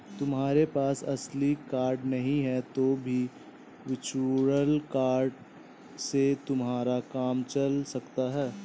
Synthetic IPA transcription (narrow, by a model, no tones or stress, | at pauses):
t̪ʊmɦaːɾepaːsɐslikaːɾɖnɐɦĩɦɛt̪obʱi | ʋɪt͡ʃuɾəlkaːɾɖ | set̪ʊmɦaːɾakaːmt͡ʃɐlsɐkt̪aɦɛː